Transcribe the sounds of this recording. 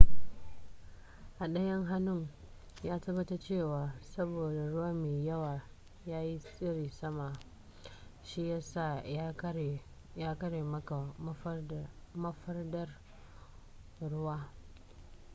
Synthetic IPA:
ʔa˨ɗɐ˦jɐ˦ŋɦa˦nʊ˦ŋ | jaː˦tɐ˦bːɐ˦ta˦t͡ʃeː˦˨waː˨sɐ˦boː˨da˨ɽʊ˦wa˦meː˨jɐ˦waː˨ | jaː˦ji˦sʼɪ˦ɾiː˨sɐ˦ma˨ | ʃi˦ja˦saː˦˨˦ | jaː˦kɐ˦ɽeː˨mɐ˦ka˨˦ | mɐ˦ɸɐ˦rdɐ˦r | ɽʊ˦waː˦

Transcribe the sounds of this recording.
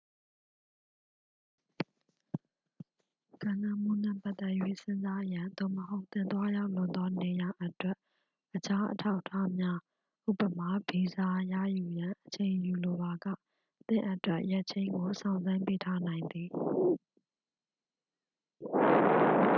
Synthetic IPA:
ɡ̥ã˨nã˨m̥ṵ˦˨n̥ɛ̰˦˨pa˦t̪ːɛ˦ʔjwḛ˦˨sɪ̃˦nza˦ʔəjã˨d̪o̰˦˨məɦo˦ʊʔt̪ɪ̃˨t̪wa˦ja˦ʊʔlʊ̃˨nd̪ɔ˦ne˨ja˨ʔə˦twɛ˦ʔ | ʔət͡ɕʰa˦ʔə̰tʰa˦ʊʔtʰːa˦mja˦ | ʔṵ˦˨pə˨m̥a˨be˨za˨jä̰˦˨ju˨jã˨ʔət͡ɕʰẽ˨ɪ̃ju˨lo˨ba˨ɡä̰˦˨ | t̪ɪ̰̃˦˨ʔə˦twɛ˦ʔjɛ˦ʔt͡ɕʰẽ˨ɪ̃ŋɡo˨sã˨ʊ̃nzã˦mpe˦tʰa˦nã˨ɪ̃nd̪ði˨

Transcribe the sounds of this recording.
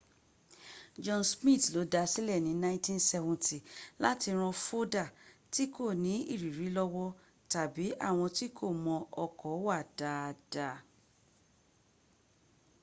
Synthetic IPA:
d͡ʒɔ̃˧nsmĩ˦˨tlo˨˦da˧si˦lɛ˦˨nĩ˨˦nã˦ĩ˦tĩ˦nsɛ˧vɔ̃˨ti˨la̰˦ti˧ɾ̃ɔ̃˧fo˦da˦˨ti˦ko˦˨nĩ˨˦ḭ˦˨ɾi˨ɾi˨˦lɔ˧wɔ˦ | ta˨bi˨˦ʔa̰˦˨w̃ɔ̃˧ti˦kʰo˦˨mɔ̃˧ɔ˧kɔ˨˦wa˦˨d̥a˨˧˨d̥a˧˨

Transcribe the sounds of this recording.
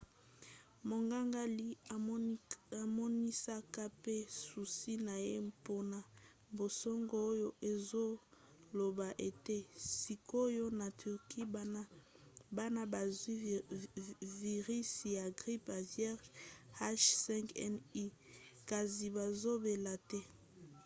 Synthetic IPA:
mo˨ŋɡa˦ŋɡa˦li˦˨ | a˨mɔ˦ni˦sa˦ka˦pe˦su˨si˦na˨je˦po˦na˨ | bo˨sɔ˦ŋɡo˦o˦jo˦ʔe˨zo˦ | lo˨ba˨ʔe˨te˦si˨ko˦jo˦na˨tʰy˨ʁki˦ | ba˦na˦ba˨zi˦ | vi˨ʁi˦si˨ja˨ɡʁi˦pa˨vjɛ˦ʁha˦ʃsɛ̃˦ŋkɛ˦ni˦ka˨zi˨ba˨zo˦be˨la˨tɛ˦

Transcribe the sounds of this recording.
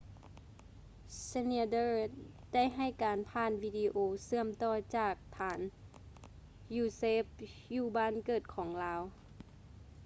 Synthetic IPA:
sa˧ni˧dɤː˧˩ | da˥˩˨jɦa˧˩jkaː˨npʰaː˧˩˨nwiː˧diː˧ʔoː˧sɯ˧əmt̪ɔː˧˩t͡ɕaː˧˩k̚t̪ʰaː˨˧n | juː˧˩seː˦˧˥p̚juː˧˩baː˧˥˨nkɤː˨˩t̪̚kʰɔː˩˦ŋlaː˧˥w

